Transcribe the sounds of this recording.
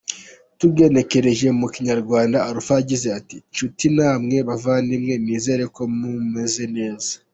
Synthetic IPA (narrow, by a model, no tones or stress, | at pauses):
tuɡe̞ne̞ke̞ɾe̞ʒe̞muciɲaɾɡwaːndaaɾufaaɟize̞atit͡ʃutinaːmŋe̞βavandimŋe̞miːze̞ɾe̞ko̞mume̞ze̞ne̞ːza